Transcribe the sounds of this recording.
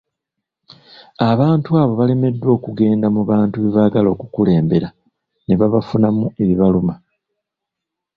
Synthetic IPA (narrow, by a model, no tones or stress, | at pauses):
aβaːntuaːβo̞βale̞me̞dːwo̞ːkuɡe̞ːndamuβaːntuβiβaɡalo̞ːkukule̞ːmbe̞ɾa | ne̞βaβafunamue̞βiβaluma